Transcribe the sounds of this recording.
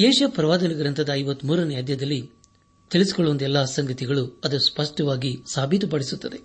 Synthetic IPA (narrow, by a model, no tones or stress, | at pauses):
jeːʃɐpɾɐʋaːd̪ɐnɐɡɐɾɐnt̪ɐd̪ɐːjʋɐt̪ːmuːɾɐnɐjaːd̪jɐd̪ɐlːi | t̪iɭisi̥kɔɭːuʋɐnd̪ɛlːɐsɐŋɡɐt̪iɡɐɭuɐd̪ɐspɐʂʈɐʋaːɡisaːbʱit̪upɐɽisut̪ːɐd̪e